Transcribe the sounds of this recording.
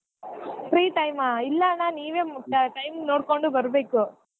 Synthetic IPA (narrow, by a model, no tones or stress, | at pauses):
fɾiːʈɐɪmaːɪlːaːnaːniːʋeːmʊʈːɐʈɐɪmnoːʈ̚koɳɖɯbɐɾɯbeːkːʊ̃